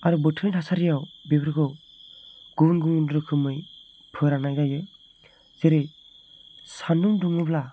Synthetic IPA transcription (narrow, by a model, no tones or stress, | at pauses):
aɾubɯtʰɯjnʰasaɾijawbebɯɾɡʰɯw | ɡunɡuŋnɾɯkʰɯmɯj | pʰɯɾanajɡajɯ | zeɾej | sanuŋduŋibla